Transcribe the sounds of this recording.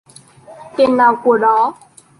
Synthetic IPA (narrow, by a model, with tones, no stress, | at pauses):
k̪e˨˩nːaː˨˩wku˧˩əɗɔ˨˦